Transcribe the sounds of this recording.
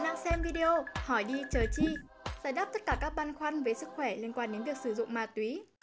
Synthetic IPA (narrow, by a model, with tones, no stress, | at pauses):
na˧ŋsɛ˧mvi˧ɗi˧o˧hɔ˧˩jɗi˧t͡ɕəː˨˩t͡ɕi˧˨ | zaː˧˩jɗa˦˥p̚t̪ə˦˥t̚kaː˧˩kaː˦˥k̚ɓa˧nxwa˧nvəː˨˦jsɨ˦˥k̚xwɛ˧˩li˧ənkwaː˧nɗe˨˦vi˨˩ək̚sɨ˧˩zʊ̰˧˨ŋ͡mmaː˨˧˩t̪wi˨˦